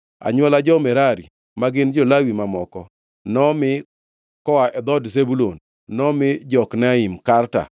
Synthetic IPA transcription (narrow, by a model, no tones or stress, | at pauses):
a̰ɲwɛlad͡ʒɔmɛɾaɾḭ | maɡɪnd͡ʒɔlawimamɔkɔ | nɔmɪ | kɔwaʔɛd̪ɔdzebulonː | ɔmɪd͡ʒɔknaimkarta̰